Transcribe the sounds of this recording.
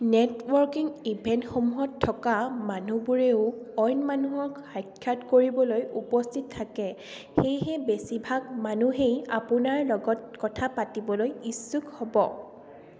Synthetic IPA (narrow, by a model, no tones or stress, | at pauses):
netwɔɹkiŋibʱɛntxomuɦɔtʰːɔkamanubuɹeʊɔjnmanuɦɔkxajkʰːatkoɹibɔlojupɔstʰitʰːakɛ | xejɦɛbesibʱaɡ̚manuɦejapʊnaɹlɔɡɔt̚kɔtʰapatibɔlojisːukhɔbɔ